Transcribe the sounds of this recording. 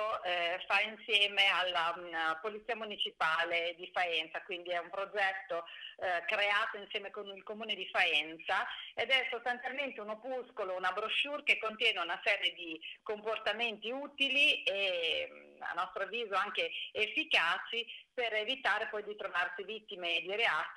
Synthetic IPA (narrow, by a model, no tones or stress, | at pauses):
ofainsjɛːmealːapolit̪siːamunit͡ʃipaːled̪ifaɛnt̪sakwind̪iɛumpɾod͡ʒɛt̪ːokɾeaːt̪oinsjɛːmekonilkomuːned̪ifaɛnt̪saed̪ɛsost̪ant̪sjalment̪eunopuskolounabɾoʃːurkekːont̪jɛːneunasɛːɾjed̪ikomport̪ament̪iuːt̪ilie | a̰nːɔst̪ɾoavːiːzoaŋkeːfːikaːt͡ʃiperevit̪aːɾepɔjd̪it̪ɾovarsivit̪ːimed̪iɾea